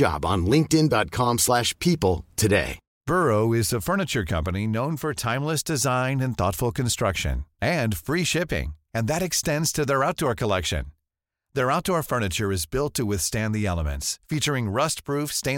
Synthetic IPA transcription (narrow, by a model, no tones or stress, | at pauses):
ɑ̰b̃n̩lɪ̃ŋk̚tɨ̃ndɑt̚kʰɑ̃mslæʃpʰipl̩ˠtʰɨdḛɪ | b̥ɜ˞oʊɪzðəfɜ˞nɨt͡ʃə˞kʰʌ̰̃mpɨninõʊ̃nfə˞tʰãɪ̃mləsd̥ɨzãɪ̃nɨ̃nθɔ̰tfl̩ˠkʰɨ̃nstɹ̥ʌkʃɨ̰̃nɨ̃nfɹiʃɪpɪ̰̃ŋɨ̃nðɨɾɨkstɛ̃ndz̥tʰɨðə˞aʊt̚d̥ɔɹkʰəlɛkʃɨ̰̃n | ðə˞aʊt̚d̥ɔɹfɜ˞nɨt͡ʃə˞ɨzbɪlˠtʰɨwɪθstæ̃nðiɛlˠəmɨ̰̃ntsfit͡ʃə˞ɪ̃ŋɹʌst̚pʰɹ̥ufstẽɪ̃